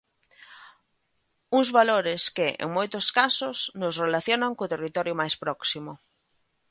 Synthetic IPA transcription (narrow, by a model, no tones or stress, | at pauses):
uŋzβaloɾɪskɪʔḛŋmojt̪ʊskasʊsnʊsrelaθjonaŋkʊt̪erit̪ɔɾjʊmajspɾɔksimʊ